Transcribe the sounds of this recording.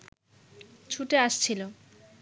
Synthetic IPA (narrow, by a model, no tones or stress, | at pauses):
t͡ɕʰuʈeaʃt͡ɕʰilo